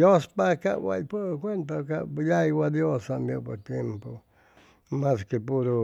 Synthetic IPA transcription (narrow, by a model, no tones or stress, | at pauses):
jospakaʔwa̰poɾkʷent̪̬akajaiwad̪josambjopoɾt̪jempo | mãskepuɾo